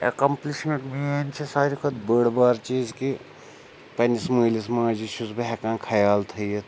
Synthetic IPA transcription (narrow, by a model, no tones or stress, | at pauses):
ḛkɐmpliʃmẽɳʈmient͡ʃʰisaːɾikʰɐt̪bəɽbaːɾt͡ʃiːzki | pɐnisməlismãːd͡ʒiʃuzbɦɛkãːkʰɐjaːlt̪ʰɐjet̪